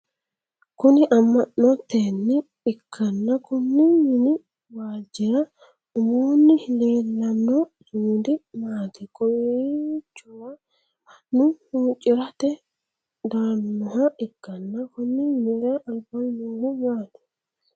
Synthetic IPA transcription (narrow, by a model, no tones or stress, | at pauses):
kʊnɪʔɐmːɐʔːɔt̪ːeːnːɪ | ɪkʰːɐnːɐkʊnːɪmɪnɪ | waːd͡ʒɪɾɐ | ʊmoːnːɪhɪleːlːɐnːɔduːd̪ɪmaːt̪ɪkːɔjet͡ʃːʊwɐ | nʊhuːt͡ʃʼːɪɾɐt̪ɛ | d̪anːɔɦɐʔɪkːɐnːɐkʊnːɪnɪɡɐʔɐlbɐnowʊmaːtɛ̥